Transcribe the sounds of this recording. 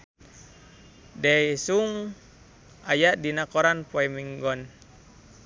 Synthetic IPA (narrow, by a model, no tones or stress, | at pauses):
dɛisuŋ | ajaʔdinakɔɾanpɔɛmiŋɡɔn